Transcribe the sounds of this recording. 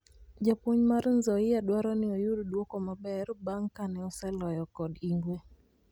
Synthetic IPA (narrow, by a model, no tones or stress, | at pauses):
d͡ʒapwoɲmaɾnzɔɪjadwaɾɔnɪɔjʊddwɔkɔmabɛɾbaŋkanɛɔsɛlɔjɔkɔdiŋɡwe